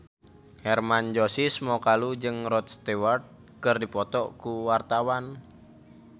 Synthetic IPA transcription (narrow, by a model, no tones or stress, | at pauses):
hɛrmand͡ʒɔsismɔkalud͡ʒɨŋrɔt̪̚st̪ewart̪̚ | kɨrdipɔt̪ɔʔkuwart̪awan